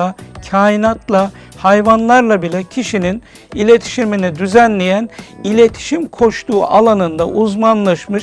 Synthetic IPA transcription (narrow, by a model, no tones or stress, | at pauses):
acʰaːjinat̪ʰlˠahajvanlˠaɾlˠabilʲɛcʰiʃinin | ilʲet̪ʰi̥ʃiɾmenid̪yzænlʲejænilʲe̞t̪ʰi̥ʃimkʰo̞ʃt̪ʰuːʔalˠanɯnd̪aʔuzmanlˠaʃmɯʃ